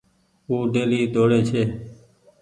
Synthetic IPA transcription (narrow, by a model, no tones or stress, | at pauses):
uːɖeːliːd̪oːɽeːt͡ʃʰeː